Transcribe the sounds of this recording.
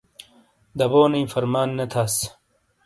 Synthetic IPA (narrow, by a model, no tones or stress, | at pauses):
d̪ɐboːniifɐɾmaːnːɐt̪ʰaːs